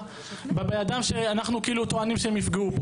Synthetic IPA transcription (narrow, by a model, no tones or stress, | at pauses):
bebejad̪amʃeanaχnukiiːlut̪oanimʃeemifɡeup